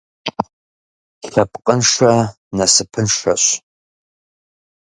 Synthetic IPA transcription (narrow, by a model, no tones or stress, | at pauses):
ɬapʰʼqʼənʂa | nasɨpʰɨnʂa̰ɕ